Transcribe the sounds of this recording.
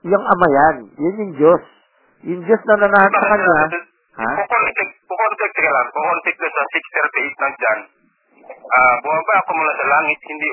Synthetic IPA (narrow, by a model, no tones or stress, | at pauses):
jaŋɐmajanjanjʊŋd͡ʒos | jʊŋd͡ʒosnɐnanaːhɐnsɐkɐɲːa | ha̰poknt̪ɛk̚pokont̪ɛk̚t̪kɐlaŋpokont̪ɛk̪̚lasɐsɪkst̪ɛɾpɛjsnɐŋ̚d͡ʒan | ʔabuaŋbaɐkomulasɐlaːŋɪt̪̚hɪnd̪i